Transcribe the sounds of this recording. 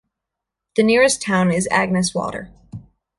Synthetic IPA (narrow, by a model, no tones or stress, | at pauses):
ðɨnɪɹɨstʰãʊ̃nɪzæ̰ɡ̚nɨswɔ̰ɾə̰˞